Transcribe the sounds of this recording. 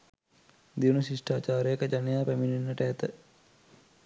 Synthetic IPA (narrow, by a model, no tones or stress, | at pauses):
d̪iʋunuʃiʂʈaːt͡ʃaːɾəjəkəd͡ʒanɐjaːpæmininːɐʈəɛt̪ə